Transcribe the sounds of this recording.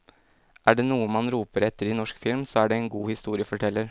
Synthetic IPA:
ʔæːɖeːnuːəmɑnɾuːpəɾɛt̪ːəɾɪnɔʂkfɪlmsɔæːɖɛɛɪnɡuːhɪst̪uːɾɪəfɔʈʰɛlːəɾ

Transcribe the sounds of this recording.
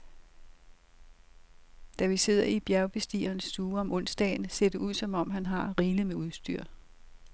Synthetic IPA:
d̥æʋise̝ð̞̰ˠɐib̥jæɐʊb̥e̝sd̥ḭːɐːnsːd̥uːɒ̽mʔɔn̰sd̥ɛ̰ːɪnse̝d̥əuð̞̰ˠsɒ̽mɒ̽m̰ɦænɦɑ̈ʁiːləmeuðˠsd̥yɐ̰

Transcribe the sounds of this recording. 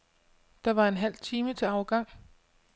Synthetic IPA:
d̥ɑ̈ʋɑ̈e̝nɦæl̰t͡sʰiːmət͡sʰe̝ɑ̈ʊɡ̥ɑ̈ŋ̰

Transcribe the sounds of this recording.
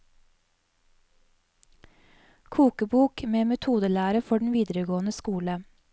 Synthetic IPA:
kʰuːkəbuːkmeːmɛt̪ʰuːd̪əlæːɾəfɔɖɳ̩ʋiːd̪əɾəɡoːnəskuːlə

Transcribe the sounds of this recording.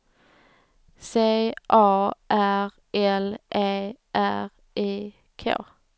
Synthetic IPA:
seːʔɑːʔæʁ | ʔɛlʔeːʔæʁ | ʔeː | kʰḛ

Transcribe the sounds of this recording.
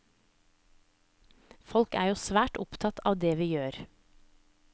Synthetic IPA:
fɔlkæ̰ːjuːsʋæːʈʊpt̪ʰɑt̪ʰɑ̰ːʋd̪eːʋiːjøːɾ

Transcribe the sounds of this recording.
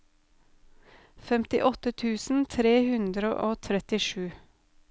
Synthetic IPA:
fɛmt̪ɪ̰ʔɔt̪ət̪ʰʉːsn̩t̪ʰɾeːhʉnd̪ɾəʔoːt̪ʰɾɛt̪ɪʃʉː

